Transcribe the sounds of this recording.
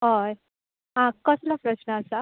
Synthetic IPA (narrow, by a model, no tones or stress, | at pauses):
ɦaj | ɦãkəslapɾəɕnəasa